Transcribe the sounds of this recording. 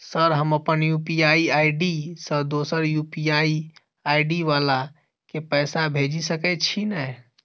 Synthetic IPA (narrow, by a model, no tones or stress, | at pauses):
səɾɦəməpənjupiaiaiɖisə̃d̪osəɾjupijai | aiɖiʋala | kepəɪsabʱed͡ʒisəkɛt͡ʃʰinɛ